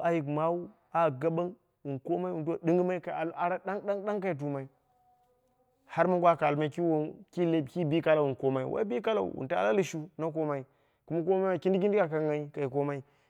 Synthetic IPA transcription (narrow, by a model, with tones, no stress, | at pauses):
a˨ji˨kma˦wu˦ | a˨ɡa˦ba˦ŋ | wu˨nko˦ma˦i˦wu˨two˦˨ɗi˦ŋɡi˦ma˦i˦ka˨a˨la˨ɾa˦ɗa˦ŋɗa˦ŋɗa˦ŋka˨i˨t̬u˨ma˨i˨˦ | ha˦ɾma˦ɡʷa˦ka˨lma˦i˦ki˦wo˨ki˦le˦˨ki˦bi˦ka˦la˨wu˨n˨ko˦ma˦ḭ˦wʔa̰˦bi˦ka˦la̰˦˨ṵ˨wṵ˨nta̰˦la˦li˦ʃu˦na˦k̬o˦ma˨i˨ | ku˦ma˦ko˦ma˦a˨ki˦ndi˦ɡi˦ndi˦ka˨ka˨ŋa˨i˦ka˨i˨ko˦ma˦i˦